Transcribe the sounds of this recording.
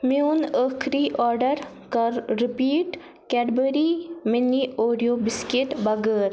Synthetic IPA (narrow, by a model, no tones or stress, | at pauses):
mjuːnəkʰɾiʔɔːɾɖəɾ | kɐɾːɪpiːʈ | kɛɖbəɾiminiʔoːɾijoːbɪskeʈbɐɡəːɾ